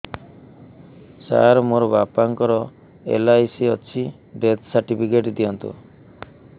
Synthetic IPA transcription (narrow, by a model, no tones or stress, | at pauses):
sa̰ɾmoɾɔbapaŋkɔɾɔ | ḛlajsiɔt͡ʃʰi | bet̪saɾʈipʰikeʈd̪ijɔnt̪ṵ